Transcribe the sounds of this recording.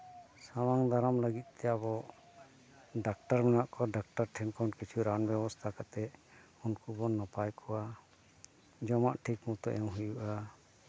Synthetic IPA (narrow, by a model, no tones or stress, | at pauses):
sawaŋd̪aɾamləɡit̪̚ˀt̪ɛjabɔ | ɖak̚ʈaɾmɛnaʔkɔɖak̚ʈaɾʈʰɛnkɔnkit͡ʃʰuɾanbjɛbɔst̪ʰakat̪ɛ | unkubɔnːapajkʰɔwa | d͡ʒɔmaʔʈʰikmut̪ɔʔɛmɦujuʔa